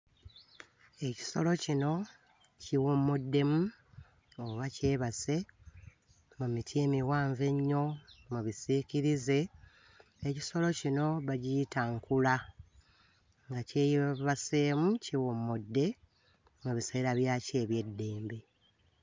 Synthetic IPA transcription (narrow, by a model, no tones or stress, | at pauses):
e̞ci̥so̞lo̞cino̞ | ciwomudːe̞mu | oβace̞ːβase̞ | mumitʰieːmiwaːɱve̞ɲːo̞muβisiciɾize̞ | eci̥so̞lo̞cino̞βaɟijitaŋkula | ŋɡace̞jβase̞ːmuciwomːudːe̞ | muβise̞ːɾaβjace̞ːβje̞dːe̞ːmbe̞